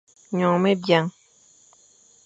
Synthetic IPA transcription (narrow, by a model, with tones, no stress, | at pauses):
ɲɔ̃˨me˦bja˦ŋ